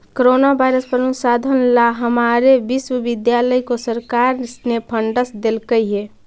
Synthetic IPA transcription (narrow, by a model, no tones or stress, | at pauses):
koɾonabajɾəspəɾənusad̪ʱənlaɦəmaɾebiswəbid̪jaləjkosəɾkaɾsnepʰəɳɖəsd̪elkəjɦe